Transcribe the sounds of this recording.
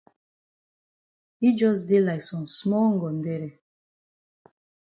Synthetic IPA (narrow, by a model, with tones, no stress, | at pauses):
i˦d͡ʒɔ˦s̬de˦la˨jsɔ̃˨msmɔ˦ŋ̩˦ɡɔ˨ndɛ˦ɾɛ˨